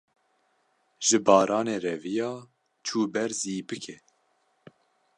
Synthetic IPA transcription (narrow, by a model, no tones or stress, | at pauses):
ʒɨbɑːɾɑːneːɾɛvijɑː | t͡ʃʰuːbɛɾziːbɨkʰɛ